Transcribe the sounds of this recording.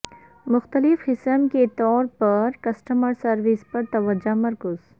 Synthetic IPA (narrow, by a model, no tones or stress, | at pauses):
mʊxt̪əlɪfhɪsəmket̪ɔːɾpɐɾkɐsʈəməɾsɐɾʋɪspɐɾt̪ɐʋəd͡ʒamɐɾkʊz̥